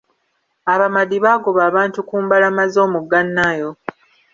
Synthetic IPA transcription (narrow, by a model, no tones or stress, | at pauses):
aβamadiβaːɡoβaːβaːntukuːmbalamazo̞ːmuɡanːajo̞